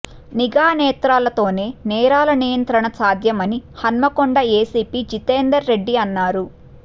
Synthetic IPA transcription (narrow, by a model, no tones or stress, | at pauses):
niɡaːnɛːt̪ɾaːlɐt̪o̞ːne̞ːnɛːɾaːlɐnijɐnt̪ɾɐɳɐsaːd̪jɐmɐnihɐnmɐkoɳɖɐeːsiːpiːd͡ʒit̪eːnd̪ɐɾːe̞ɖːiɐnːaːɾu